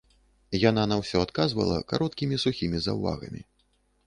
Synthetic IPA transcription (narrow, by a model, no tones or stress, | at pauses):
jan̪anɐwsʲɔat̪kazvɐ̰lˠɐ̰kaɾɔt̪kʲimʲisuxʲimʲizɐ̰wva̰ɣɐ̰mʲḭ